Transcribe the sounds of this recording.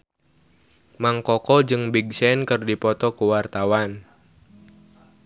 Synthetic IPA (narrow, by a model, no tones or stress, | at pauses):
maŋkɔkɔd͡ʒɨŋbiɡ̚sɛnkɨrdipɔt̪ɔkuwart̪awan